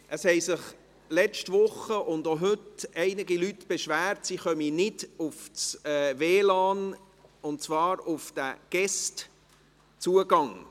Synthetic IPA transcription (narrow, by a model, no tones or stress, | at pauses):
ʔəshɛɪsɪχ | lɛt͡ʃtvʊχəʔʊndoɦɵtɛɪnɪɡilytb̥ɛʃvæːɾtsiχœminɪdʊft͡sɛːveːlɑːn | ʊntt͡svɑːɾʊfd̥æ̰ɡ̥ɛst | t͡suəɡɑŋ